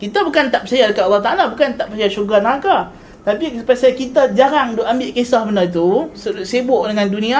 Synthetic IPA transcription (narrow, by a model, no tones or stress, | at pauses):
kit̪abukant̪aʔpəsajadəkat̪alːɑht̪aʔalabukant̪aʔpəsajaʃuɡanakah | t̪apisəpasajakit̪ad͡ʒaɾaŋdʊʔambɪʔkesahbənat̪̬usəsebʊʔdəŋãndunĩa